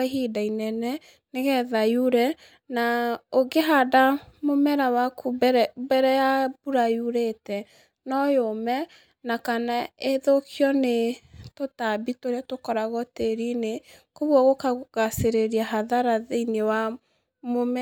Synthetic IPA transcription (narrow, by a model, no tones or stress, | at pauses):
aɦidainɛnɛ | neɣɛðajuɾɛ | naoɡeɦadamomɛɾawakʰubbɛɾɛjabuɾajuɾetɛ | nɔjomɛ | nakanaeðokjɔnetotabitoɾeatokɔɾaɣɔteɾinekoβwɔɣokaɣaseɾeɾiaɦaðaɾaðeinewa | momɛ